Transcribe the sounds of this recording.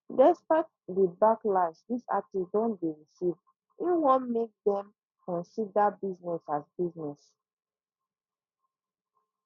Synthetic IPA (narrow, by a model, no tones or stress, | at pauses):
dɛspaɪt | debaklasdisa̰tisdɔ̃nbeɹisiv | iwɔ̃nmek̚dɛ̃m | kɔ̃nsidabiznɛsasbiznɛs